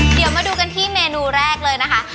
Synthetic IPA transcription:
di˨˩˦wmaː˧duː˧ka˧nt̪ʰiː˥˩meː˧nuː˧ɾɛː˥˩k̚lɤː˧jna˦˥kʰa˦˥

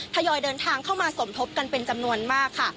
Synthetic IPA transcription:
t̪ʰa˧jɔː˧jdɤː˧nt̪ʰaː˧ŋkʰa˥˩wmaː˧so˩˦mt̪ʰo˦˥p̚ka˧npe˧nt͡ɕa˧mnu˧ənmaː˥˩kʰːa˥˩

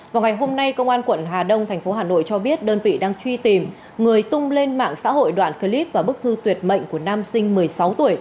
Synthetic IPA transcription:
vaː˨˩wŋa˨˩jɦo˧mna˧jkə˧wŋ͡mʔaː˧nkwə̰˧˨nɦaː˨˩ɗə˧wŋ͡mt̪ʰɛ˨˩jŋ̟fo˨˦ɦaː˨˩no̰˧˨jt͡ɕɔ˧ɓi˦˥ət̚ɗəː˧nvḭ˧˨ɗaː˧ŋt͡ɕwi˧t̪i˨˩m | ŋɨ˨˩əjt̪ʊ˧ŋ͡mle˧nma̰ː˧˨ŋsa̰ː˧˥ɦo̰˧˨jɗwa̰ː˧˨nkə˧li˦˥p̚vaː˨˩ɓɨ˦˥k̚t̪ʰɨ˧t̪wi˨˩ət̚mə̰˧˨jŋ̟ku˧˩ənaː˧msï˧ŋ̟mɨ˨˩əjsa˨˦wt̪u˧˩əj

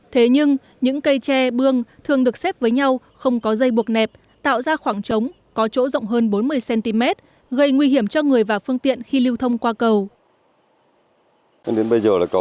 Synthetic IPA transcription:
t̪ʰe˨˦ɲɨ˧ŋ | ɲɨ̰˧˥ŋkə˧jt͡ɕɛ˧ɓɨ˧əŋt̪ʰɨ˨˩əŋɗɨ˨˩ək̚sɛ˦˥p̚vəː˨˦jɲa˧w | xə˧wŋ͡mkɔ˨˦zə˧jɓu˨˩ət̚nɛ˨˩p̚ | t̪a̰ː˧˨wzaː˧xwaː˧˩ŋt͡ɕə˨˦wŋ͡m | kɔ˨˦t͡ɕo̰˧˥zə̰˧˨ŋ͡mɦəː˧nɓo˨˦nmɨ˧əjsɛ˧nt̪i˧mɛ˦˥t̚ | ɣə˧jŋwi˧ɦi˧˩əmt͡ɕɔ˧ŋɨ˨˩əjvaː˨˩fɨ˧əŋt̪ḭ˧˨ənxi˧li˧wt̪ʰə˧wŋ͡mkwaː˧kə˧˩w | a˧nɗe˨˦nɓə˧jzəː˨˩laː˨˩kə˨˩

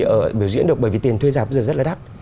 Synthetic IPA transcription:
ʔəː˧˩ɓi˧˩əwzw̰ḭ˧˥nɗk̚ɓəː˧˩vi˨˩t̪i˨˩ənt̪ʰwe˧zaː˨˩pɓə˧zːə˦˥laː˨ɗaː˦˥k̚

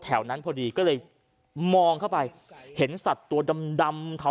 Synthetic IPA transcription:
t̪ʰɛː˩˦wna˦˥npʰɔː˧diː˧kɔː˥˩lɤː˧j | mɔː˧ŋk̪ʰa˥˩wpa˧j | he˩˦nsa˨˩t̪ːu˧ɐda˧mda˧mt̪ʰa˨˦

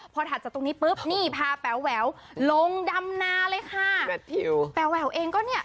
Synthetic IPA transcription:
pʰɔː˧t̪ʰaː˨˩t͡ɕa˨˩t̪o˧ŋniː˦˥pɤː˦˥˩p̚niː˥˩pʰaː˧pɛ˨˦wːɛː˩˦w | lo˧ŋda˧mnaː˧lɤː˧jkʰa˥˩ɛ˦t̪ʰi˧wpɛ˨˩˦wɛː˦wʔeː˧ŋkɔː˥˩ni˥˩ɐ

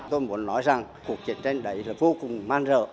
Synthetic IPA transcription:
t̪o˧jmu˨˦ənːɔ˨˦jza˨˩ŋku˨˩ək̚t͡ɕi˨˦nt͡ɕe˧nɗə˨˦jlaː˨˩vo˧kʊ˨˩ŋ͡mmaː˧nzə̰ː˧˨

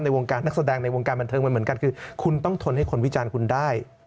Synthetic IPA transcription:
na˧jwo˧ŋkaː˧nːa˦˥k̚sa˧dɛː˧ŋna˧jwo˧ŋkaː˧nba˧nt̪ʰɤː˧m˧nmɯ˩˦nka˧nkʰɯː˧kʰu˧nt̪ɔ˥˩ŋt̪ʰo˧nha˥˩jkʰo˧nwi˦˥t͡ɕaː˧nkʰu˧ndaː˥˩j

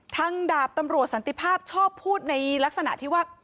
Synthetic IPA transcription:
t̪ʰa˦˥ŋdaː˨˩p̚t̪a˧mɾu˨˩ət̪̚sa˩˦nt̪i˧˩pʰaː˥˩p̚t͡ɕʰɔː˥˩pʰːuː˥˩t̪̚na˧jla˦˥k̚sa˧na̰˨˩ʔt̪ʰiː˥˩waː˥˩

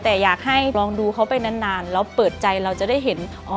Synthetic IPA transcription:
t̪ɛː˨˩jaː˨˩k̚ha˥˩jlɔː˧ŋduː˧kʰa˦˥wpa˧jna˦˥˩nːaː˧nlɛ˧˥˩wpɤː˨˩t̪̚t͡ɕa˧jɾa˧wt͡ɕa˨˩da˥˩jɦe˩˦n | ʔɔː˨˩

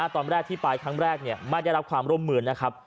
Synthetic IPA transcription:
t̪ɔː˧nɾɛː˥˩k̚t̪ʰiː˥˩paː˨˩jkʰɾa˦˥ŋɾɛː˥˩k̚ni˥˩ɐma˥˩da˥˩ɾa˦˥pkʰwaː˧mɾuː˥˩˨mːɯː˧nːa˦˥kʰa˦˥p̚

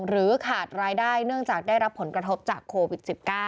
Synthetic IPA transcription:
ɾɯː˩˦kʰaː˨˩t̪̚ɾaː˧jdaː˥˩jnɯ˥˩əŋt͡ɕaː˨˩k̚daː˥˩jɾa˦˥pʰːo˩˦nkɾa˧t̪ʰo˦˥p̚t͡ɕaː˨˩kʰːoː˧wi˨˩t̪̚si˨˩p̚kaː˥˩

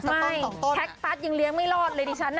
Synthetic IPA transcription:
mma˥˩jɔː˨˩o˥˩ɛ˦˥k̚pa˦˥˩t̪̚jɯ˧ŋli˧əŋma˥˩jlɔː˥˩t̪̚lɤː˧jtʰiː˧t͡ɕʰa˦˥nː

